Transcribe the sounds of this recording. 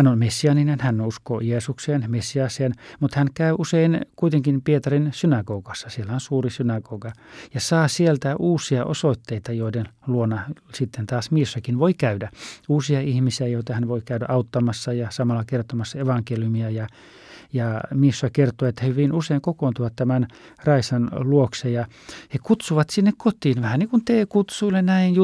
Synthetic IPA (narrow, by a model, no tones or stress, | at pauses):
hænonmesːiɑninenhænuskojeːsukseːnmesːiɑseːnmut̪hænkæyʔuseinkuit̪eŋkinpiet̪ɑrinsynɑɡoːkɑsːɑsielːæonsuːrisynɑɡoːɡɑjɑsɑːsielt̪æʔuːsiɑʔosoit̪ːeit̪ɑjoidenluonːɑsit̪ːent̪ɑːsmiesːɑkinʋoikæydæuːsiɑihmisiæjoit̪ɑhænʋoikæydæ̰ʔɑut̪ːɑmɑsːɑjɑsɑmɑlːɑkert̪omɑsːɑeʋɑŋkeljumiɑjɑ | jɑmiesːɑkert̪oːet̪ːæhyʋinuseiŋkokoːnt̪uʋɑt̪t̪æmæn | rɑisɑnluoksejjɑ | hekut̪suʋɑt̪sinːekkot̪iːnʋæhænnikunt̪eːkut̪suilːennæinj